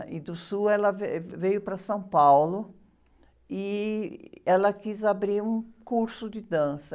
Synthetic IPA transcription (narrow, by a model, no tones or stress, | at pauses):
ɪd̪ʊsuɛlɐvevejʊpɾɐsɐ̃w̃pawlʊ | ɪ | ɛlɐkizabɾiɾũkuɾsʊd̪ɪd̪ɐ̃sɐ